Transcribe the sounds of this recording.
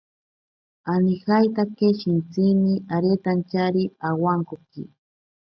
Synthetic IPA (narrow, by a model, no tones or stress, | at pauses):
anɪxajt̪akeʃɪnt͡simiaɾet̪ant͡ʃaɾiawaŋkokḭ